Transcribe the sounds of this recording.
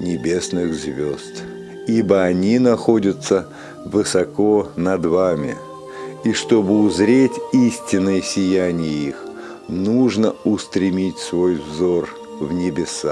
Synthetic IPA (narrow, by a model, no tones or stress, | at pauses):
nʲɪbʲe̞snɨxzvʲost̪ | ibəɐnʲinɐxo̞dʲət̪sə | vɨsɐko̞nɐd̪vamʲɪ̰ | iʂt̪o̞bɨʊzɾʲetʲisʲtʲɪnːəjəsʲɪjænʲɪjəix | nuʐnəʊst̪ɾʲɪmʲitʲsvo̞jvzo̞r | vnʲɪbʲɪsa